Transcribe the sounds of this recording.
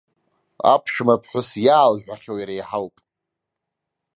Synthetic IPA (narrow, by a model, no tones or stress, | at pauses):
a̰pʰʃᶣmapʰħʷᶣʊsjaːlħᶣʷaχʲowjɾejħalpʼ